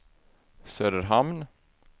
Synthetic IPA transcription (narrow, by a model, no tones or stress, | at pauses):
søːd̪əɾɦamn